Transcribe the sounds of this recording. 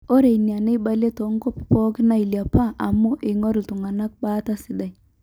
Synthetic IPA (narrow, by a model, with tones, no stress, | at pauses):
o˦ɾe˨i˨nja˨ne˦ba˦le˦tɔ˨˦ŋɡo˦ppɔ˦kɪ˦na˦i˨lja˨pa˦ʔa̰˨mu˦ʔɪ˨ŋɔ˦ɾi˨tʊ˨ŋa˨na˦k̚ba˦ta˦sɪ˨da˨j